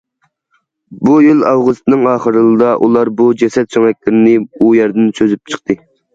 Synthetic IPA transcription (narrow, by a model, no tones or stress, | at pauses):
bujylɑwʁʊst̪ɨnɨŋɑːχəɾɨlˠɨd̪ɑʔulˠɑɾbud͡ʒɛsɛt̪̚t͡ʃʰøŋɛk̚ʲlɪɾɪnɪujɛɾd̪ɪnt͡ʃʰøzyp̚t͡ʃʰə̥qt̪ʰɨ